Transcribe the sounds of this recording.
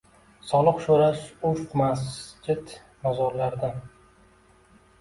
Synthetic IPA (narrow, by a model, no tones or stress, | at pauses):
sɒlˠɨqʃoɾaʃʊʃqmasd͡ʒɪt̪ | nazɒɾlaɾd̪a